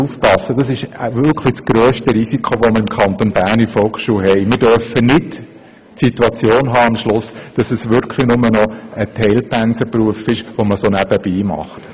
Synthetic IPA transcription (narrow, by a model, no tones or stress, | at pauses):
ufpɑsːəd̥ɑsɪʃʋʏɾkʰlisɡ̥ɾøːʃtəɾisikʰoʋɔməɾɪmkʰɑnt̪onbæːɾnifɔlˠkχʃuːɦɛɪmɪɾdœɾfənɪt | sit̪uɑt͡sjoːnɦɑːɑmʃlʊsd̥ɑsəsʋʏɾkʰlinʊmənɔətʰɛɪlpænsəpruəfɪʃʋoməsonæb̥əb̥iːmɑ̰χt